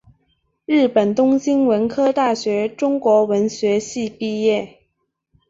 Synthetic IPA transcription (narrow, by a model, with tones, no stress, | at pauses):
ɻɻ̩˥˩pə˨˩nt̪ʊ˥ŋɕi˥nwə˧˥nkʰɤ˥t̪a˥˩ɕɥɛ˧˥ʈ͡ʂʊ˥ŋkwɔ˧˥wə˧˥nɕɥɛ˧˥ɕi˥˧pi˥˧jɛ˥˩